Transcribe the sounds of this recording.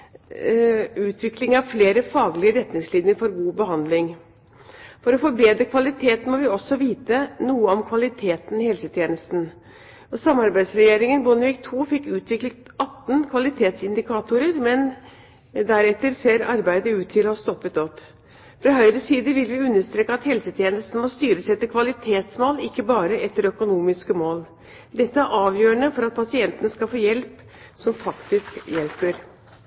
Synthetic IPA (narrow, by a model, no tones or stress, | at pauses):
ʉːt̪ʰʋɪklɪŋɑʋfleːɾəfɑːɡlɪəɾɛt̪nɪŋsliːnəɾfɔɾɡuːbəɦɑnd̪lɪŋ | fɔɾɔfɔɾbeːd̪ɾəkʰʋɑlɪt̪ʰeːt̪n̩mɔʋɪɔsːɔʋiːt̪ənuːəɔmkʰʋɑlɪt̪ʰeːt̪n̩ɪhɛlsət̪ʰjeːnəst̪n̩ | ɔsɑmɑɾbæɪd̪sɾɛjeːɾɪŋənbɔnəʋɪkt̪ʰuːfɪkːʉːt̪ʰʋɪklət̪ɑt̪ːn̩kʰʋɑlɪt̪ʰeːt̪sɪnd̪ɪkʰɑːt̪ʊɾəɾmɛn | d̪æɾɛt̪ːəɾseːɾɑ̰ɾbæɪd̪əʉːt̪ʰːɪlɔhɑst̪ɔpːət̪ɔpː | fɾɑɦœʏɾəsiːd̪əʋɪlʋɪʉnːəʂt̪ɾeːkəɑt̪hɛlsət̪ʰjeːnəst̪n̩mɔst̪yːɾəsɛt̪ːəkʰʋɑlɪt̪ʰeːt̪smoːlɪkːəbɑːɾəʔɛt̪ːəɾœkʊnuːmɪskəmoːl | d̪ɛt̪ːəæɾʔɑːʋjøːəɳəfɔɾɑt̪̚pʰɑsɪɛnt̪ənəskɑfoːjɛlp | sɔmfɑkt̪ɪskjɛlpəɾ